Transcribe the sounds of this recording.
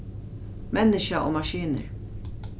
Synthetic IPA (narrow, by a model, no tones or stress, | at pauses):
mɛnːɪʃaʔo̰ːmaʃiːnə̰ɾ